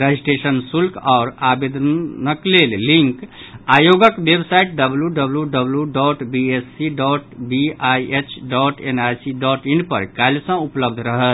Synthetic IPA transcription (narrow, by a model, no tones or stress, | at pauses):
ɾad͡ʒisʈesənsulkʰaʊɾabed̪nəklelːĩŋk | ajoɡəkbebsaiʈ̚ɖəbljuɖəbljuɖəbljuɖɔʈbiesiɖɔʈbiajʔet͡ʃʰɖɔʈenajsiɖɔʈiɳɖpə̰ɾkalsə̃upləb̚d̪ʱɾəɦət̪